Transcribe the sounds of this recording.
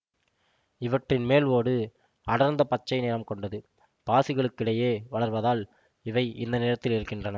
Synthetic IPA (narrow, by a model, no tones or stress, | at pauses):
ɪʋɐʈrɪnmeːloːɽɯ | ɐɽɐɾnd̪ɐpɐt͡ʃːɐɪneːɾɐmkɔɳɖɐðɯ | paːsɪɣɐɭɯkːɪɽɐjeːʋɐɭɐɾʋɐðaːl | ɪʋɐɪʔɪnd̪ɐneːɾɐt̪ːɪlɪɾɯkːɪndrɐnɐ